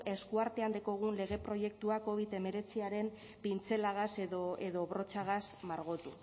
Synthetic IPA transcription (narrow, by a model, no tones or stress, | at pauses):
e̞skuaɾt̪e̞and̪iko̞ɣ̞unle̞ɣ̞e̞pɾo̞je̞k̚t̪uako̞β̞it̪e̞me̞ɾe̞t͡siaɾe̞m | pint͡se̞laɣ̞aseðoeðo̞βɾo̞t͡ʃaɣ̞asmaɾɣ̞ot̪u